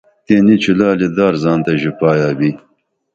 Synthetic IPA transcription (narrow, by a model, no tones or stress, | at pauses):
t̪enit͡ʃʰulaːlid̪aːɾzɑːnt̪ɐʑipɑːjaːbi